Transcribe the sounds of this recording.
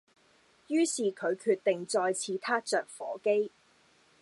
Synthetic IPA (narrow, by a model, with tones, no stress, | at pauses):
jyː˥siː˨kʰɵ˨˧ɥkʰyː˧t̚t̪ɪ˨ŋt͡sɔː˧jt͡sʰiː˨˥t̪ʰaː˥t͡sœː˨˩k̚fɔː˨˥ke˥j